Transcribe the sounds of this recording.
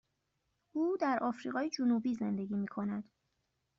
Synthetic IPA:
ʔuːd̪æɾʔɒːfɾiːɣɒːjed͡ʒonuːbiːze̞nd̪eɡiːmiːkʰo̞næd̪̥

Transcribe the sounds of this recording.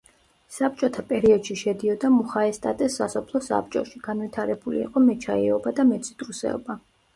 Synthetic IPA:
sap̚t͡ʃʼɔt̪ʰapʼɛɾiɔd̪̥ʃiʃɛd̪iɔd̪amuχaɛst̪ʼat̪ʼɛsːasɔpʰlˠɔsa̰p̚t͡ʃʼɔ̰ʃiɡ̥anvit̪ʰaɾɛbulḭːqʼɔmɛt͡ʃʰaɛ̰ɔbad̪amɛt̪sʰʼit̪ʼɾusɛ̰ɔ̰ba

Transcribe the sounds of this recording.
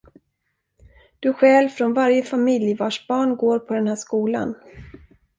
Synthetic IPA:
d̪̥ɵɧɛːlfɾɔnvaɾjəfamɪljəvɑːʂbɑːɳɡoːɾpʰɔd̪ɛnhæːʂkuːla̰n

